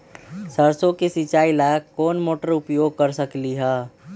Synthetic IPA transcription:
səɾsõkesit͡ʃaːilakɔːnmoːʈəɾʊpjoːɡ̚kəɾsəkliɦɛː

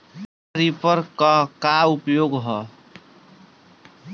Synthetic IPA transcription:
ɾipʌɾkakaupjoɡɦʌ

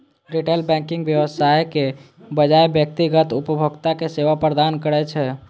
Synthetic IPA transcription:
ɾiʈelbɛ̃ŋkiŋɡbjəwəsajke | bəd͡ʒaebjək̚t̪iɡət̪upəbʱəɡt̪akeseʋapɾəd̪ankəɾɛt͡ʃʰɛ

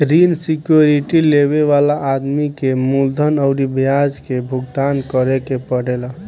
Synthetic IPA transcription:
ɾinsikjoɾiʈileβeʋalaʔːd̪mikemuld̪ʱənəɾibjad͡ʒkebʱuɡt̪ankəɾekepəɽela

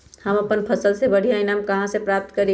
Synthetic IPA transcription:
həməpənpʰəsəlsebəɽ̤ʱijainamkəɦãsepɾap̚t̪kəɾe

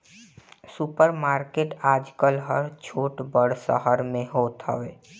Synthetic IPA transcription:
supəɾmaːɾkeːʈaːd͡ʒkəlɦəɾt͡ʃʰoːʈbəɽsə̰ɦəɾmẽɦoːt̪ɦə̰ʋeː

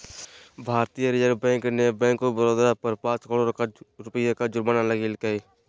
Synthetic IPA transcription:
bʱaːɾt̪ijəɾjəɡbɛ̃ːŋknebɛ̃ːŋkobəɾoːd̪ɾapəɾpãːt͡ʃkəɽoɾɾʊpəjakad͡ʒʊɾmənaləɡɪlkəeː

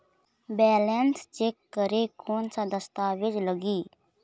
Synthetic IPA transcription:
bɛːlɛnst͡ʃeːkːəɾekʰoːnsad̪əst̪aːʋɪd͡ʒləɡiː

